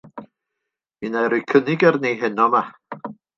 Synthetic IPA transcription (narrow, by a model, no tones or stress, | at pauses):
minajɾujkʰənɪɡərnejɦɛnɔma